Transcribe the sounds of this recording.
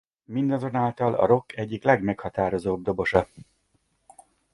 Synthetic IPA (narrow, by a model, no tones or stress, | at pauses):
mind̪ɒzo̞naːlt̪ɒlɒ̰ɾo̞kʰːɛɟːiklɛɡmɛkhɒt̪aːɾo̞zoːb̚d̪o̞bo̞ʃɒ